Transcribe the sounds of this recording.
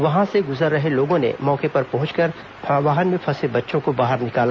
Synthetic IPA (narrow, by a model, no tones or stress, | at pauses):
ʋɐɦãseɡʊzəɾːɐɦeloːɡõnḛmɔːkepɐɾpɐɦʊ̃t͡ʃkɐɾ | ʋaːɦənmẽpʰɐsebɐtːʃõkobaːɦəɾnɪkaːla